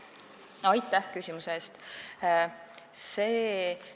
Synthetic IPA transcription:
ɑjt̪ːˑæhkysʲimuseeːst̪ | se̞ː

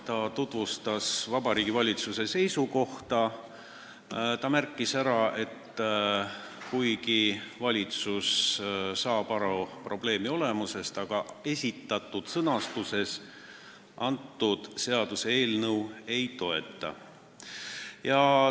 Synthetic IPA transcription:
t̪ɑt̪ut̪vust̪ɑsvɑbɑɾiːɡivɑlʲit̪suse̞se̞jsuko̞ht̪ɑ | t̪ɑmærkˑːisæɾɑe̞t̪ː | kujkivɑlʲit̪sussɑːb̥ɑɾɑpro̞b̥le̞ːmio̞le̞muse̞st̪ɑɡ̥ɑe̞sʲit̪ːˑɑt̪ˑːud̪̥sɤnɑst̪use̞s | ʔɑnt̪ːˑud̪̥se̞ɑd̪̥usee̞ːlnɤwe̞jt̪o̞e̞t̪ːˑɑ̰ | jɑ

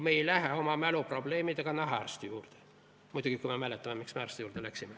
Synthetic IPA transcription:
mejlæɦeo̞mɑmælupro̞b̥le̞ːmid̪eɡ̥ɑnɑɦɑærst̪ujuːrd̪̥e̥ | mujd̪uɡ̥ikujmemælet̪ːɑmemiksmeærst̪ejuːrd̪elæksimːe

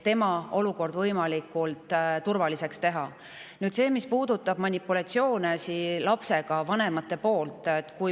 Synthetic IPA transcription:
t̪e̞mɑo̞luko̞rd̪vɤjmɑlikːˑult̪ˑt̪urvɑlise̞kst̪e̞ɦɑ | nyːd̪se̞ːmispuːd̪̥ut̪ːˑɑb̥mɑnʲipːˑulɑt̪sio̞ːnesilɑpse̞ɡ̥ɑvɑne̞mɑt̪ːˑe̞po̞ːlt̪ːˑet̪ːkuj

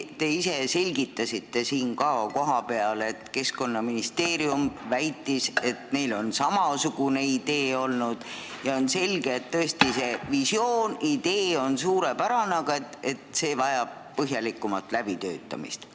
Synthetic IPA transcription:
t̪e̞ise̞se̞lʲɡit̪ːˑɑsit̪ːe̞siːnkɑːko̞ɦɑpe̞ɑlet̪ke̞sko̞nːɑminist̪e̞ːɾiumvæjt̪ːˑise̞t̪ne̞jlo̞nsɑmɑsuɡ̥une̞id̪e̞ːo̞lnud̪̥jɑo̞nse̞lʲɡ̥eːt̪t̪ːɤ̞est̪ise̞visjo̞ːnid̪e̞ːo̞nsuːɾepæɾɑnɑɡ̥ɑe̞t̪ːˑe̞t̪se̞ːvɑjɑb̥̚pɤɦjɑlikːˑumɑt̪ˑlæb̥it̪ø̞ːt̪ˑːɑ̰mḭst̪

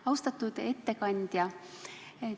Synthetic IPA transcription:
ɑwst̪ɑt̪ːˑud̪̥e̞t̪ːe̞kɑnʲd̪̥jɑ

